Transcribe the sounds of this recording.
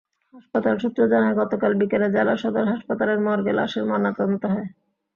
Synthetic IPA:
ɦaʃpat̪alʃut̪ːɾod͡ʑanaeɡɔt̪okalbikeled͡ʑalaʃɔd̪oɾɦaʃpat̪aleɾmɔɾɡela̰ʃeɾmɔnat̪ont̪oɦɔe

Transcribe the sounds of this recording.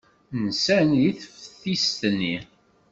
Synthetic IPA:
nsænjiθəfθist̪nːi

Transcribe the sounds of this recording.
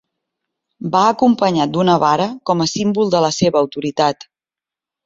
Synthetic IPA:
baəkumpəɲat̪̚d̪unəβaɾəkɔməsimbulˠd̪ələseβəːwt̪uɾit̪at̪

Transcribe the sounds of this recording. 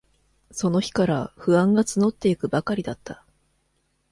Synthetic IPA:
so̞no̞çi̥kaɾaɸɯ̟ãŋɡat͡sɨno̞t̪ːe̞ikɯ̟bakaɾʲid̪at̪ʰːa

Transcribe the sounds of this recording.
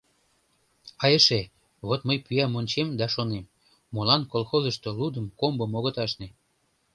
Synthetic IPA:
ɑjəʃe | βot̪məjpyɑmonʲt͡ɕemd̪ɑʃonemː | olɑnkolxozəʃt̪olud̪əmkombəmoɣot̪ɑʃne

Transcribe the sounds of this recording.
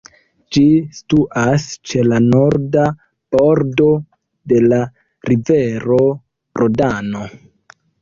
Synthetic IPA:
d͡ʒistuʔast͡ʃe̞lano̞ɾda | b̥o̞ɾdo̞ | de̞la | ɾiveɾo̞ | ɾodano̞

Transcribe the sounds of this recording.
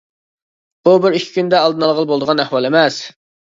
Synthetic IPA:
b̥ubɪɾykʲʰi̥kʲynd̪ɛɑlˠd̪ɨnɑlˠʁəlˠbolˠd̪əʁɑnæhwɑlˠemɛs

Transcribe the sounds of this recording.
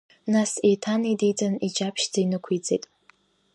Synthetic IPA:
nasetʰanidit͡sʼanid͡ʒapʰʃd͡zajnɨkʷʰit͡sʼejtʼ

